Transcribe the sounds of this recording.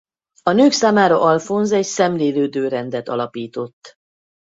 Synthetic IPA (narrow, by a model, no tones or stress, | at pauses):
ɒnøːksaːmaːɾɒʔɒlfo̞nzɛcsɛmleːløːd̪øːɾɛnd̪ɛt̪ɒ̰lɒpiːt̪o̞t̪ː